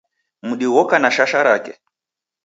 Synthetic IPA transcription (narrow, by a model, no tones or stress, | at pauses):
muɗiwɔkanaʃaʃaɾakɛ̰